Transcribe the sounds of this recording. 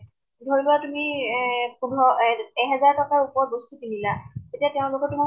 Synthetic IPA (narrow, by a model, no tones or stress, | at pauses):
dʱoɹilʊwatumipunʱɔɛɦɛzaɹtɔkaɹupɔɹbostupinilaetiateʊ̃lʊkɔtumi